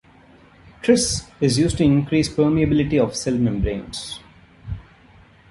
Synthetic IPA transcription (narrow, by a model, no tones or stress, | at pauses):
ʈɾɪsɪzjuːzʈuɪ̃nkɾiːspəːmiəbɪlɪʈiɔʋsɛlmɛ̃mbɾḛ̃ːns